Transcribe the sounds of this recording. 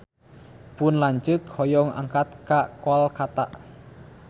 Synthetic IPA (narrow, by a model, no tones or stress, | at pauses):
pʊnlaɲt͡ʃɨkhɔjɔŋa̰ŋkat̪̚kaʔkoalkat̪aʔ